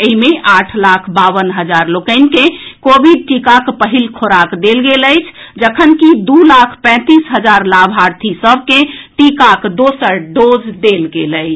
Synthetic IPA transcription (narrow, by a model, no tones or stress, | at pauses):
eɦimeʔaʈʰlakʰbaβənɦəd͡ʒaɾlokəɪnkẽkobiɖ̚ʈikakpəɦilkʰoɾakd̪elɡeləjt͡ʃʰd͡ʒəkʰənkid̪ulakʰpɛ̃t̪isɦəd͡ʒaɾlabʱaɾt̪ʰisəb̚ʱkẽʈikakʰd̪osəɾɖod͡ʒd̪elɡeləɪt͡ʃʰ